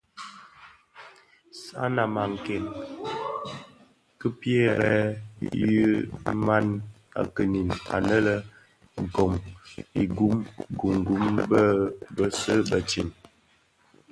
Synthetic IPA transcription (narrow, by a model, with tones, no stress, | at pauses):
sa̰˦na˨ma˨ŋ˨kɛ˨ŋ | kə˦pjɛ˦ɾɛ˦jə˦ma˦n | a̰˨kə˨ni˨na̰˨nə˦lə˦˨ | ɡo˨mi˨ɡu˦mɡu˨ŋ˨ɡu˦mbə˦bə˦sə˦bə˨t͡ʃi˨n